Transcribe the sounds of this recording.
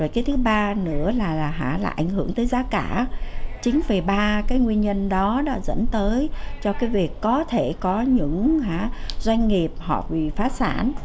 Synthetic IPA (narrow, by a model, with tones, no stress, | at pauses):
zo˨˩jkaː˨˦jt̪ʰɨ˨˦ɓaː˧nɨ̰˧˥əlaː˨˩laː˨˩ɦa̰ː˧˩laː˨˩ʔa˧˩jŋ̟hɨ˧˩əŋt̪əː˨˦jzaː˨˦kaː˧˩t͡ɕï˨˦ŋ̟ve˨˩ɓaː˧kaː˨˦jŋwi˧ənɲə˧nɗɔ˨˦ɗa̰ː˧˥zə̰˧˥nt̪əː˨˦jt͡ɕɔ˧kaː˨˦jvi˨˩əkːɔ˨˦t̪ʰe˧˩kɔ˨˦ɲɨ̰˧˥ŋɦaː˧˥zwa˧jŋ̟ŋi˨˩əp̚hɔ̰˨˩p̚vi˨˩faː˨˦sa̰ː˧˩n